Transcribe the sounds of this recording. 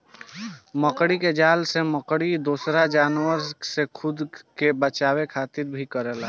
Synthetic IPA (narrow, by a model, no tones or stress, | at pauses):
məkɽiked͡ʒaːlseməkɽid̪osɾad͡ʒaːnwəɾsekʰʊd̪kebət͡ʃawekʰaːt̪iɾbʱikəɾɛla